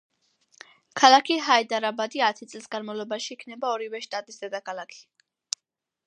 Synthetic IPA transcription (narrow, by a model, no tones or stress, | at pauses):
kʰalˠakʰiɦaid̪aɾabad̪iat̪ʰit̪sʼlisɡanmavlˠɔbaʃiːkʰnɛbaɔɾivɛʃt̪ʼat̪ʼisd̪̥ɛd̪akʰalˠakʰi̥